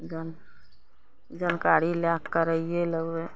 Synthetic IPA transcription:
d͡ʒən | d͡ʒənkaːɽiljaːkːəɾəieləɡwe

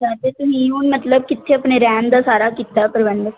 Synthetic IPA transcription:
d͡ʒaːt̪eːt̪ʊsĩːunmət̪ləb̚kɪt̪ʰːeəpneːɾɛːnd̪aːsaːɾaːkiːt̪aːpəɾʋəɳd

